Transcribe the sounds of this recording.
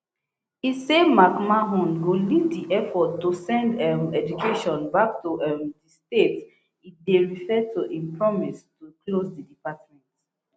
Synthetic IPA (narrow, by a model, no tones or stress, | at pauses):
hisemakmaɦũnhuliddiʔɛfɔtːusɛ̃ndɛmɛd͡ʒukʰeʃɔ̃nbak̚tuʔɛmdistet | ideɹifɛtʰuʔĩmpɹɔmistuklosdidipatmɛ̃nt